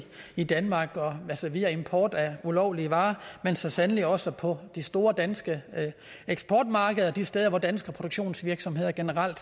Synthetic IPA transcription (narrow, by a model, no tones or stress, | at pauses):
id̥ænmɑ̈ːɡ̥ɒ̽ælsɒʋiæe̝mpʰɒːd̥æulɒʊliəʋɑ̈ːmensɒsænəliɒ̽səpʰɒ̽d̥isd̥o̝ːɐd̥ænsɡ̥ə | eɡ̥sb̥ɒːd̥mɑ̈ːɡ̥əð̞̩ˠɐd̥isd̥eðˠɐʋɒd̥ænsɡ̥ɐpʰʁo̝ɾ̥oɡ̥ɕo̝̰ːnsʋiɐɡ̥sɒ̽mɦe̝ð̞̰ˠɐɡ̥e̝nəʁɑl̰d̥